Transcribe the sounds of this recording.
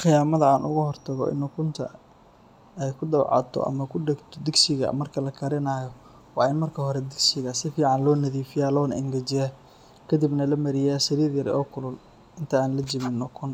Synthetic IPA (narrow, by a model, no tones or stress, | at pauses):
χɪjaːmɐðɐaːnʊɣʊhɔrt̪ʰɐɣɔ̰ʔɪ̰nːʊkʰʊnt̪ʰɐ̰ | ɛjkʰʊd̪ɐwʕɑ̰t̪ʰɔ̰ʔɐ̰mɐkʰʊɖɛɡt̪ʰɔd̪ɪɡsɪɣɐ̰mɐrkʰɐlɐkʰɐɾɪnaːjɔ | wɑːɪnmɐrkʰɐɦɔɾɛd̪ɪɡsɪɣɐsɪfiːʕɑnlɔːnɐðiːfɪjaːlɔːnɪŋɡɐd͡ʒɪja | kʰɐd̪ibnɐlɐmɐɾɪjaːsɐɾiːɾjɐɾɔːkʰʊlʊl | ɪnt̪ʰɐaːnlɐd͡ʒɪmɪnːʊkʰʊn